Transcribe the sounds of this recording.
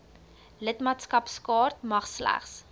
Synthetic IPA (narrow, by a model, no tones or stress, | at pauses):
lətmɑːtskɐpskɑːrtmɐχslæ̰χs